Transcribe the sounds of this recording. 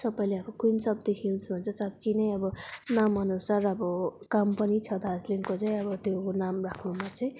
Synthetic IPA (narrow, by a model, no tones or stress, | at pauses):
sʌbʌj̃leʌbʌkunsʌbd̪ikʰilsbʱʌnt͡sʰʌsat̪ːt͡sinʌj̃ʌbʌnamʌnusarʌbʌkampʌnit͡sʰʌd̪asliŋkot͡sãĩʌbʌt̪jonamrakʰnumat͡sʌĩ